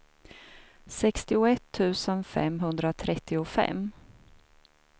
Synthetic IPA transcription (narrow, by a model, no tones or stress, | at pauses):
sɛkst̪ɪʊɛt̪ʰːʉ̟ːsənfɛ̰mːɦɵnd̪ɾat̪ʰɾɛt̪ːɪʊfɛ̰mː